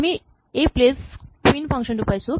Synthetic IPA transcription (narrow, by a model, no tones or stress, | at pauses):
mi | epleskwinpʰʌŋkʂʌnɾupʌjt͡sʰu